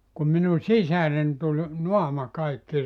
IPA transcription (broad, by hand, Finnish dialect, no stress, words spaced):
kum minu sisæren tul noɑmɑ kɑikːi